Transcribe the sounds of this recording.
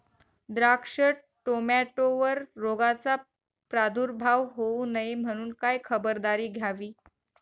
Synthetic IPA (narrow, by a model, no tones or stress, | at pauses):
d̪ɾakʂə | ʈomaʈoʋəɾːoɡat͡sa | pɾad̪ʱuːɾbʱaʋɦounəem̤əɽ̃uːnkajkʰəbəɾd̪aɾiːɡʱjaʋiː